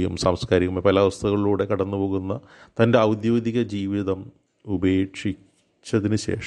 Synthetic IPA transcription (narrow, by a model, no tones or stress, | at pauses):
jumsɐmskaːɾikːumɐpɐlɐʋɐst̪ʰɐɣɐɭiɭuːɽe̞kɐɽɐnːupo̞ːɣunːɐ | t̪ɐnde̞ɐwd̪joːd̪iɣɐd͡ʑiːʋiðɐm | ubeːʈʂi | t͡ɕːɐðinɨɕe̞̰ːʂɐ